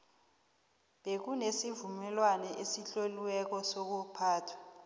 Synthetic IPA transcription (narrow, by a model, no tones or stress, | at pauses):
ɓek̬unesivumɛlwanɛʔesiɬoliwɛk̬ɔsok̬upʰaːtʰwḁ